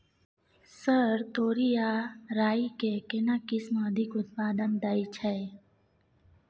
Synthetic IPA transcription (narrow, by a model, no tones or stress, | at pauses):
səɾt̪oːɾijaɾaːikekɪnakɪsməd̪ʱɪkʊt̪̚paːd̪ənd̪ait͡ʃʰɛ